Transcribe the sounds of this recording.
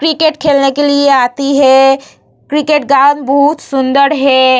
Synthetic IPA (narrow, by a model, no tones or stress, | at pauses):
kɾɪkeːʈkʰeːlnekelieaːt̪iɦɛ | kɾɪkeːʈ̚ɡãːnbɔɦʊt̪sʊ̃nd̪əɾɦɛː